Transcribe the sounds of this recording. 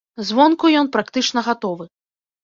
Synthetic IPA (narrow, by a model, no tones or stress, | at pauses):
zvɔnkujɔnpɾakt̪ɨt͡ʂnɐɣat̪ɔvɨ